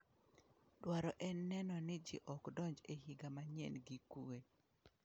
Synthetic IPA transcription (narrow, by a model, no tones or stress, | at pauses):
dwaɾɔʔɛnːɛnɔnɪd͡ʒɪ̰ʔɔkdɔɲd͡ʒehiɡamaɲḛnɡikue